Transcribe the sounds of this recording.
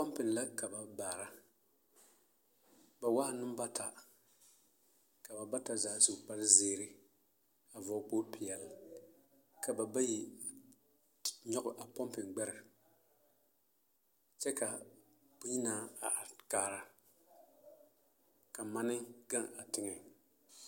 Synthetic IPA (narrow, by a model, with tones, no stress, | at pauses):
pɔ˦mpɪ˨nla˦ka˨ba˨baː˨ɾa˦ | ba˨wa˦hnʊ˦m˦ba˦tʰa˨ | ka˨ba˨ba˦ta˨zaː˨˦zu˨pa˦lɪ˦zeː˦˨ɾɪ˦ | a˨vɔ˨˦k͡poː˦pɪ˨ɛ˨lɪ˨ | ka˨ba˨ba˦ji˨ | ɲɔ˦ɡʊ˨ʔa˨pɔ˦mpɪ˨ŋɡ͡bɛ˦ɾɪ˨ | t͡ʃɛ˦ka˨ | bʊ˦ɲi˦naː˦˨a˨ʔkaː˨ɾa˦ | ka˨ma˦nɨ˦ɡa˦ŋa˨tɪ˦ŋɛ˨